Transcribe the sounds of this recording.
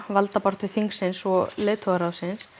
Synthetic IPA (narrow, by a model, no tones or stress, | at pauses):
valt̪apɔɾ̥t̪ʏ̥θiŋksɪnsɔleːt̪ʰɔaɾawsɪns